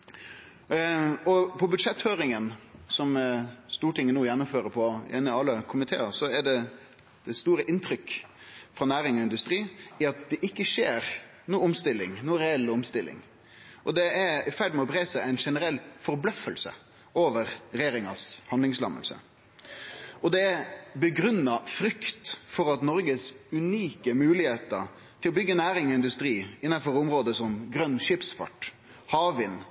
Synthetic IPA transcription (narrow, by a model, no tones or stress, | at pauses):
ɔpʰɔbʉd̪ʂɛt̪ːføːɾɪŋənsɔmst̪uːʈɪŋːənuːjɛnːʊmføːɾəpʰɔɪnːəɑlːəkʰʊmɪt̪ʰḛːəsɔɛɖɛ | d̪̥ɛst̪uːɾəʔɪnt̪ʰɾʏkː | fɾɑnæːɾɪŋɔɪnd̪ʉst̪ɾiːɪɑt̪d̪ɛʔɪkːəʂeːɾ | nuːʊmst̪ɪlːɪŋnuːɾɛɛlːʊmst̪ɪlːɪ̰ŋ | ʔɔd̪ɛæɾfæɖmɛɔpʰɾeːsæɪæɪnʂɛnəɾɛlːfɔɾblœfəlsə̰ | ʔoːʋəɾɾɛjeːɾɪŋɑ̰shɑnd̪lɪŋslɑ̰mə̰lsə̰ | ɔd̪ɛæbəɡɾʉnːɑfɾʏkt̪fɔɾɑt̪nɔɾɡəsʉniːkəmʉːlɪheːt̪ə̰ɾ | t̪ʰɪlɔbʏɡːənæːɾɪŋɔɪnd̪ʉst̪ɾiːɪnːɑfɔɾʊmɾoːd̪əsɔmɡɾœnːʂɪpsfɑ̰ʈ | hɑːʋɪn